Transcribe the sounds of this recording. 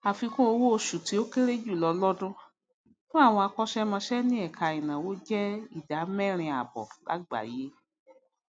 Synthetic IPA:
a˨fi˧kũ˦o˧wo˦o˧ʃu˨ti˧˦o˦ke˦ɾe˦d͡ʒu˦˨lɔ˧lɔ˦dũ˦ | nũ˦a˦˨w̃ɔ̃˧a˧kɔ˦ʃɛ˦mɔ̃˧ʃɛ˦nĩ˦ɛ˦˨kʰa˨ĩ˨nã˨wo˨˦d͡ʒɛ˦i˦˨da˨˦mɛ̃˦˨ɾ̃ĩ˧a˨bɔ̰˨la̰˨˦ɡ͡ba̰˨je˦

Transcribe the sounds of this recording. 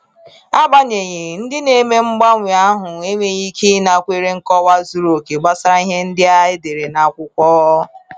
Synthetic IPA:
a˦ba˦ɲe˨ɲɪ˨n̩˦dɪ˦ne˨me˦ŋ͡m̩˦ɡ͡ba˦ŋʷi˨a˦ɦʊ˨e˦me˨ɲi˦kʰi˦na˨kʷe˦ɾe˦ŋ̩˦kɔ˦wa˦zu˦ɾo˨ke˨ɡ͡ba˦sa˦ɾa˦i˦ɦe˦n̩˦dɪ˦a˦ɪ˦de˨ɾe˨na˨kʷʊ˦kʷɔː˦

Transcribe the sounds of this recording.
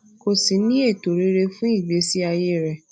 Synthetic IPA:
ko˨si˨˦nĩ˦e˦˨to˨ɾe˨˦ɾe˧fũ˦i˦˨be˨˦si˦a˧je˦˨ɾɛ˨

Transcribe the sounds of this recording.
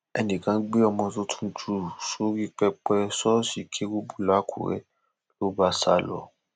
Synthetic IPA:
ɛ̰˧nĩ˨kã˧˦ɡ͡be˦ɔ˧mɔ̃˧to˧tʰũ˦d͡ʒu˦˨so˨˦ɾi˦k͡pɛ˧k͡pɛ˧sɔ˦si˧˦kʰe˦wu˦bu˦la˦kʰṵ˨ɾɛ̰˦ | lo˦ba˦sa˦lɔ̰˨

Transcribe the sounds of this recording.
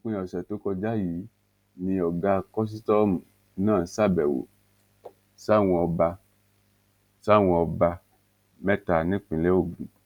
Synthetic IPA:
k͡pĩ˧˦ɔ˨sɛ˨to˨˦kɔ˧d͡ʒa˦ji˨˦ | nĩ˧ɔ˨ɡa˦˧kɔ˦s̬i˦tɔ˦m̩˨˦ | nãː˦˨sa˦˨bɛ˨wo̰˨ | sa˦˨w̃ɔ̃˧ɔ˧ba˧ | sa˦˨w̃ɔ̃˧ɔ˧ba˧ | mɛ˦ta˧˨nĩ˦k͡pĩ˨lɛ˦o˦˨ɡ͡bṵ̃˨

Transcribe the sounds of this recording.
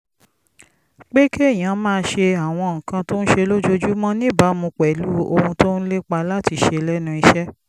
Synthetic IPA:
k͡pe˦ke˦˨j̃ã˨˦mãː˦˧ʃe˧a˨w̃ɔ̃˧˨ŋ̩˨kã˧to˦n̩˦ʃe˧lo˦d͡ʒo˦d͡ʒu˦mɔ̃˦nĩ˦˨ba˨˦mũ˧k͡pɛ˨lu˦o˧hũ˧to˦n̩˦le˦k͡pa˧la˦ti˧ʃe˧lɛ˦nũ˧i˧ʃɛ˦

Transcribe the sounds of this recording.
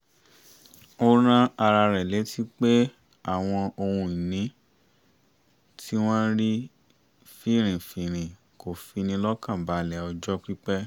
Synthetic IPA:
o˦ɾ̃ã˦a˧ɾa˧ɾɛ˨le˨˦tʰi˦k͡pe˦ | a˦˨w̃ɔ̃˧o˧hũ˧i˨nĩ˨˦ | tʰi˦w̃ɔ̃˦ɾi˦ | fi˦˨ɾ̃ĩ˨fi˨ɾ̃ĩ˨ | ko˨fi˧nĩ˧lɔ˦kã˦˨ba˨˦lɛ˨ɔ˧d͡ʒɔ˦k͡pɾi˦k͡pɛ˦

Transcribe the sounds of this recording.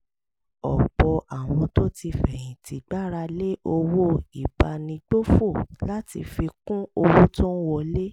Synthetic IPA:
ɔ˨k͡pɔ˧ʔa˨w̃ɔ̃˧to˦ti˧fɛ˨j̃ĩ˨ti˨˧ɡ͡ba˦ɾa˧le˦ʔo˧wo˦i˨b̥a˧nĩ˧ɡ͡bo˦fo˦˨la˦tḭ˧fi˧kũ˦o˧wo˦tɔ̃˦n̩˦wɔ˧le˦

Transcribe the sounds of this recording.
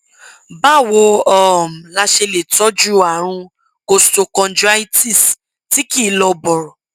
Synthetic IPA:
ba˦˨wo˧ɔ˨m̩˨la˧ʃe˧le˨tɔ˨˦d͡ʒu˦a˨ɾ̃ũ˧ | ɡ̥o˧sto˧kɔ̃˧n˦d͡ʒu˦a˧i˦ti˦˨s | ti˨˦ki˦˨˦lɔ˧bɔ˨ɾɔ˨

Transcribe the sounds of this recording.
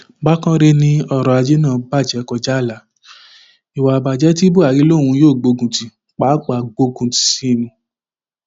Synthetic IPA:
ba˦kã˦ɾe˧nĩ˧ɔ˧˨ɾɔ˨a˧d͡ʒe˦nãː˦˨ba˦˨d͡ʒɛ˨˦kɔ˧˨d͡ʒa˦˨la˨˦ | i˨wa˨ba˨d͡ʒɛ˦ti˦bu˦a˨ɡi˨˦lo˦˨w̃ũ˧˦joː˦˨ɡ͡bo˧ɡũ˨ti˨ | k͡pa˨˦k͡pa˨ɡ͡bo˧ɡũ˨ti̥˨sĩ˦˨mũ˧

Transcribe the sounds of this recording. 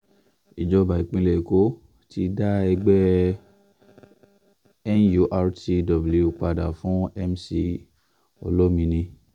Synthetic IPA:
i˨d͡ʒɔ˨˧ba˨i˨k͡pĩ˧lɛ˨ko˨˦ | ti˧da˦ɛ˧ɡ͡bɛ˦ | ɛ˦nju˧ʔa˧ɾti˧dɔ˨bu˨lu˨˧k͡pa˧da˨fũ˨˦ɛ˦msi˧ | ɔ̰˧lɔ˦mĩ˧nĩ˧

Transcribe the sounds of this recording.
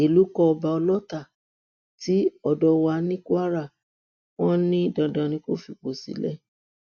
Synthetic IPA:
e˨lu˨˦kɔ˧ɔ˧ba˧ɔ˧lɔ˦ta˦˨ | ti˨˦ɔ˦˨dɔ˧wa˧nĩ˦ku˦a˦ɾa˦˨ | w̃ɔ̃˦nĩ˦dã˨dã˨nĩ˧˦ko˦fi˨k͡po˨sḭ˨˦lɛ̰˦

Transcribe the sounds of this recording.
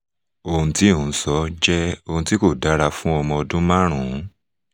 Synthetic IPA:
o˧ũ˧tĩ˦˨˦sɔ˦d͡ʒɛ˦o˧ũ˧ti˦ko˦˨da˨˦ɾa˧fũ˦ɔ˧mɔ̃˧ɔ˧dũ˦mã˦ɾ̃ũ˨˦

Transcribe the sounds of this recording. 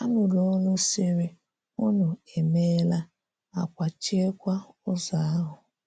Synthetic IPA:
a˦nʊ˨lo˦nʊ˦si˦ɾi˦ | ʊ˦nʊ˨e˨me˦la˦ | a˨kʷa˨t͡ʃi˦e˦kʷa˦ʊ˦za˨a˦ɦʊ˨

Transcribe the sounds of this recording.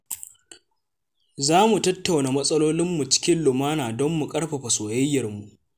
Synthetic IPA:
zaː˦mu˨tɐ˦tːa˨wnaː˨mɐ˦sʼɐ˦loː˦lɪ˦mːu˨t͡ʃɪ̥˦kʲɪ˦nlʊ˨maː˦naː˨dɔ˦mːu˨kʼɐ˦ɽɸa˨ɸɐ˨soː˨jɐ˦jːɐ˨rmu˨ʔ

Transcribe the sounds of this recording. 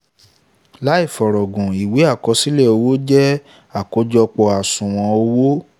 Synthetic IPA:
la˨˦i˦˨fɔ˨ɾɔ˨ɡũ˨i˨we˨˦a˦˨kɔ˧si˦lɛ˦˨o˧wo˦d͡ʒɛ˦ | a˨ko˧d͡ʒɔ˧k͡pɔ˧a˨sũ˨w̃ɔ̃˧o˧wo˦

